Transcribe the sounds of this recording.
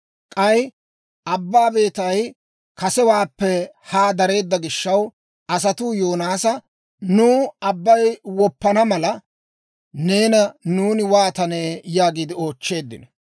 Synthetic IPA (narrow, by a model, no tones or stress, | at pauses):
kʼɐj | ʔɐbːaːbe̞ːt̪ɐj | kɐsɛwaːpːɛhaːd̪ɐɾe̞ːd̪ːɐɡɪʃːɐw | ɐs̬ɐt̪ujo̞ːnaːsɐ | nuːɐbːɐjwɔpːɐnɐmɐlɐ | ne̞ːnɐnuːnɪwaːt̪ɐneːjaːɡiːd̪ɪo̞ːt͡ʃːe̞ːd̪ːɪ̰nɐ